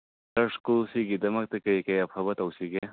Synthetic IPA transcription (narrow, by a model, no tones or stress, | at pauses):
ɐɾskulsiɡidɐmɐk̚tɐkɐjkɐjɐpʰɐbɐtɐwsiɡe